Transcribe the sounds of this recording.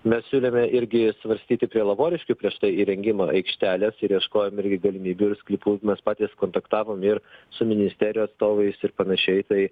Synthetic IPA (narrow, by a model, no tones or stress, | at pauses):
mʲɛssʲuːlʲemʲɛʔɪɾʲɡʲɪsʋɐɾʲsʲt̪ʲiːt̪ʲɪpʲɾʲiɛlˠɐboːɾʲɪʃʲkʲupʲɾʲiɛʃt̪ɐɪiːɾʲɛŋʲɡʲɪmɑʔɐɪkʃʲt̪ʲæːlʲɛsɪɾjɛʃkoːjɛmɪɾʲɡʲɪɡɐlʲɪmʲiːbʲʊɪɾsklʲɪpuːmʲɛspɑːt̪ʲiːskoːnt̪ɐkt̪ɑːʋoːmɪɾsʊmʲɪnʲɪsʲt̪ʲæːɾʲɪjuːɐt̪st̪oːʋɐɪsɪɾpɐnɐʃʲɛɪt̪ɐɪ